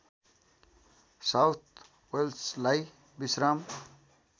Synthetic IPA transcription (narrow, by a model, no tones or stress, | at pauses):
sawt̪̚ʰ | welslaj | bisɾam